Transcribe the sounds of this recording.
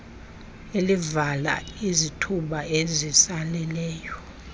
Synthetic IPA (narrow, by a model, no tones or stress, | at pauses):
elivala̰izitʰuɓaezisalɛlɛːjɔ